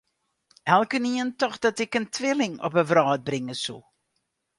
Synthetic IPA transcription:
ɛlˠkəniəntɔxdɑtɪkəntʰʋɪlɪŋɔ̰pəvrɑːd̚brɪŋəsṵ

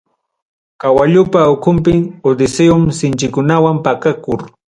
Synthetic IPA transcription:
kawaʎʊpaʊkʊmpɪŋod̪ɪseʊmsɪnt͡ʃɪkʊnawampakakʊɾ

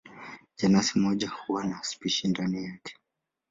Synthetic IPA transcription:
d͡ʒanasimɔʄahuwanaspiʃindanijakʰɛ̥

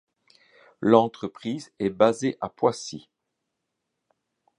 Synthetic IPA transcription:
lɑ̃t̪χəpχizɛbazeʔapwasi

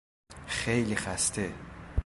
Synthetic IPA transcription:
χejlixæst̪ʰe

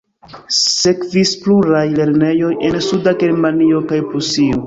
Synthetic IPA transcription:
se̞kvispluɾajle̞ɾne̞jo̞je̞nsudaɡeɾmanio̞kajpusio

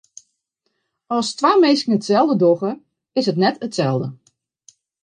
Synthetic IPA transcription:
ɔlˠstwaːmejskəŋ̩ətsɛlˠdədɔɣə | ɪsɦətnɛtətsɛlˠdə

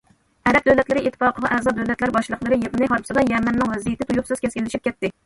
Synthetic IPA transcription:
æɾap̚d̪awlat̪lɪɾɪʔɪt̪ʰːɪ̥fɑqʰəvaʔæzɒd̪awlat̪laɾɪbɒʃlˠɨqlˠɨɾɪjepɨnɪɦɑɾpsɪd̪ɛnjamanːɪŋvæzijt̪ɪt̪ʰujʊpsɨz̥kʲʰeskʲelɪʃɪp̚kʲet̪ːɪ

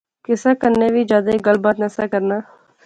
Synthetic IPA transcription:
kɪsaːkəɾneːʋiːd͡ʒaːd̪eːɡəlbaːt̪nəsaːkəɾnaː

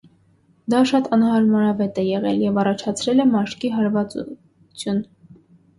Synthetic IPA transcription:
d̪ɑʃɑt̪ɑnhɑɾmɑɾɑvɛt̪ɛjɛʁɛljɛvɑrɑt͡ʃʰɑt͡sʰɾɛlɛmɑʃkiɦɑɾvɑt͡su | t͡sʰjun

